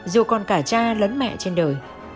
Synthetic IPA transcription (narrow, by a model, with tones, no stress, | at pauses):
zu˨˩kɔ˨˩nkaː˧˩t͡ɕaː˧lə˨˦nmɛ̰˧˨t͡ɕe˧nɗəː˨˩j